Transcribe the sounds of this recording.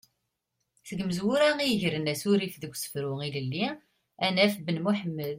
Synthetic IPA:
θəɡməzwʊɾæiəʝɾənæsuɾifðəɡʷːsə̥fɾʊiləlːi | ænæfbənmuħəmːəð

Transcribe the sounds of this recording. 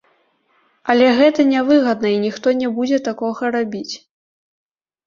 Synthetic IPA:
ɐlʲɛɣɛt̪ɐnʲɛvɨɣɐd̪̚nɐinʲixt̪ɔnʲɛbud͡zʲɛt̪akɔɣɐɾabʲit͡sʲ

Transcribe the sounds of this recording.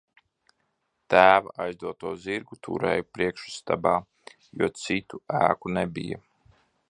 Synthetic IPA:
t̪æːvaʔajzd̪uɔt̪uɔziɾɡut̪ʰṵɾɛ̰ːjupɾiɛkʃu̥st̪abaː | juɔt̪sit̪uæ̰ːkunebḭja̰

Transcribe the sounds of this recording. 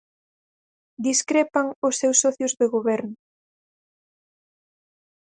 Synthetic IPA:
d̪iskɾepaŋʊsːewsːɔθjʊzðeɣoβɛɾnʊ

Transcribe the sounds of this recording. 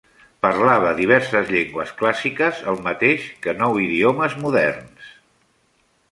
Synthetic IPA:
pəɾlaβəðiβ̞ɛɾsəzʎeŋɡwəsklasikəzəlˠmət̪eʃkənɔwiðioməzmuðɛrns

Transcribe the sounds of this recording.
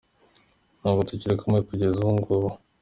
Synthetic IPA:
naːɡotuciɾekomekuɟezuŋɡoɾo

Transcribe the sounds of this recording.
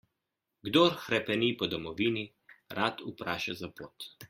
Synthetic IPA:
ɡd̪oɾxɾɛpɛniːpɔd̪ɔmɔʋiːni | ɾʔaːt̪upɾaːʃazapoːt̪

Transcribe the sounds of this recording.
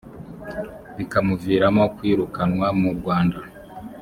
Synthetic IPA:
βikamuviːɾamo̞kwiːɾukanwamuɾɡwaːnda

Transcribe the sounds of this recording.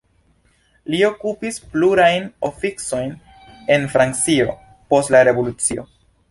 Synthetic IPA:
lio̞kupispluɾajno̞fikso̞jn | e̞nfɾant͡sio̞̰ | po̞stlaɾe̞vo̞lut͡sio̞̰

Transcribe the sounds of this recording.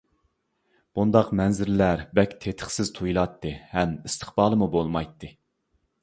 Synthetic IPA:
b̥und̪ɑqmɛnzɪɾlæɾbɛkʲt̪ʰet̪ʰə̥χsɪz̥t̪ʰujilˠɑt̪ʰːɨhɛmist̪ʰə̥χbɑːlˠɨmubolˠmɑjt̪ʰːɨ

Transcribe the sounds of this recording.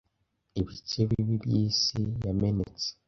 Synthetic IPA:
iβit͡ʃeβiiβibjiːsijamenet͡se̥

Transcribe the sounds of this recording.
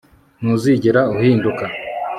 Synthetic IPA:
nuziɟeɾauhiːnduka

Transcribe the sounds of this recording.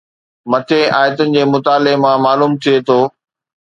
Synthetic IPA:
mɐt̪ʰeaːjət̪ənɪ̆d͡ʑeːmʊt̪aːlemãmaːluːmt̪ʰijet̪ʰoː

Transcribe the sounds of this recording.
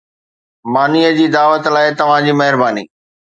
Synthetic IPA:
maːnijəd͡ʑiːd̪aːʋət̪laːɪt̪ɐʋ̤ãd͡ʑiːmɐɦɪɾbaːnḭː

